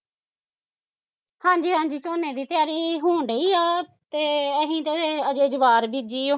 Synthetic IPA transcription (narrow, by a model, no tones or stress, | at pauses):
hãːɲd͡ʒiːɦãːɲd͡ʒiːt͡ʃoːneːd̪iːt̪ɪjaːɾiːɦoːɳɖeiːaː | t̪eːəɦĩːt̪eːəd͡ʒeːd͡ʒəʋaːɾbiːd͡ʒiːoː